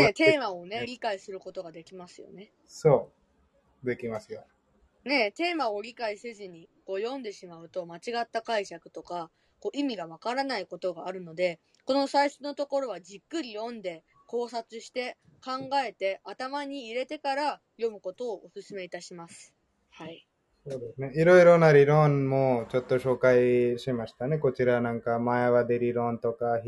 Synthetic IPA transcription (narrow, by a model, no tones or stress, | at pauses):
ne̞t̪e̞ːmaone̞ɾʲikaisɨɾɯ̟ko̞t̪o̞ɡad̪e̞kʲimasɨjo̰ne̞ | soː | d̪e̞kʲimasɨjo | ne̞t̪e̞ːmao̞ɾʲikaisezɨɲ̟iko̞ːjõ̞nd̪e̞ɕimaɯ̟t̪o̞mat͡ɕiɡat̪ːakaiɕakɯ̟̥t̪o̞ka | ko̞ːʔimʲiɡaβakaɾanaiko̞t̪o̞ɡaːɾɯ̟no̞d̪e̞ | ko̞no̞saiɕono̞t̪o̞ko̞ɾo̞β̞ad͡ʑikːɯ̟ɾʲijõ̞nd̪e̞ | ko̞ːsat͡sɨɕi̥t̪e̞kãŋɡae̞t̪e̞at̪amaɲ̟iːɾe̞t̪e̞kaɾa | jo̞mɯ̟ko̞t̪o̞ːʔːsɨsɨme̞it̪aɕimasɨ̥ | hai | so̞ːd̪e̞sɨne̞iɾo̞iɾo̞naɾʲiɾõ̞nmot͡ɕo̞t̪ːo̞ɕo̞ːkaiɕimaɕi̥t̪ane̞ko̞t͡ɕiɾanãŋkamaeβad̪e̞ɾʲiɾõ̞nt̪o̞ka